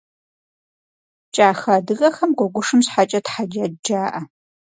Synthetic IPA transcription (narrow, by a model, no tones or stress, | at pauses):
t͡ʃʼaːxɐdɨɣɐxɐmɡʷɔɡʷʊʂɨmsħat͡ʃʼɐtħad͡ʒad͡ʒaːʔɐ